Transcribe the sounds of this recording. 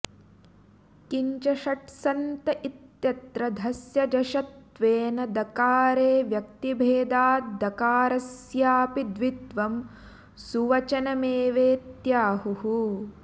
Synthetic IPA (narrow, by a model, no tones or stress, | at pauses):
kiɲt͡ʃɐʃɐʈsɐnt̪ɐʔit̪jɐt̪ɾɐd̪ʱɐsjɐd͡ʒɐʃɐt̪ | ʋeːnɐd̪ɐkaːɾeːʋjɐk̚t̪ibʱeːd̪aːt̪̚d̪ɐkaːɾɐsjaːpid̪ʋid̪ʋɐm | suʋɐt͡ʃɐnɐmeːʋeːt̪jaːɦuhu